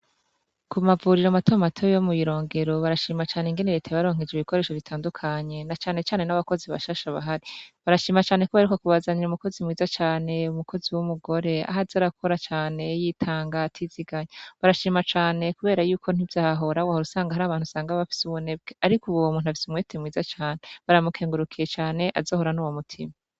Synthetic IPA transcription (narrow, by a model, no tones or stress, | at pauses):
kumavuɾiɾomatʰomatʰojomuβiɾo̞ːŋɡe̞ɾo̞βaɾaʃiːmat͡ʃaːneiŋɡe̞neɾetʰaβaɾo̞ːŋ̥ed͡ʒiβikʰo̞ɾe̞ːʃoβitʰaːndukʰaɲe̞nat͡ʃaːne̞t͡ʃaːne̞naβako̞ziβa̰ʃaʃaβa̰ɦaɾiβaɾaʃiːmat͡ʃaːne̞kuβaaɾikokuβazaniɾumuko̞zimŋiːzat͡ʃaːne̞umuko̞ziwumuɡo̞ɾe̞a̰ɦazaɾakʰo̞ɾat͡ʃaːne̞jiːtʰaːŋɡatʰiziɡaɲeβaɾaʃiːmat͡ʃaːne̞kuβe̞ːɾajuːkʰo̞n̥ivjaːhaɦo̞ɾawahoɾusaːŋɡaaɾaːβaːn̥usaːŋɡaβafi̥suβune̞bɡeaɾikuβowomuːnuhafi̥sumwetʰemwiːzat͡ʃaːneβaɾamukʰeːŋɡuɾukʰije̞t͡ʃaːne̞ʔa̰zoːho̞ɾanuwomutʰḭma